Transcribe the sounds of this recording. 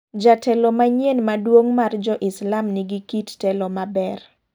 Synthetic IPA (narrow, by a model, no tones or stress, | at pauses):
d͡ʒatʰɛlɔmaɲenmadwoŋmard͡ʒɔʔɪslamnɪɡikittɛlɔmabɛr